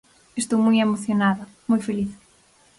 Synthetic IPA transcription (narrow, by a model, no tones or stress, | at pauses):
est̪owmujemoθjonaðɐ | mujfeliθ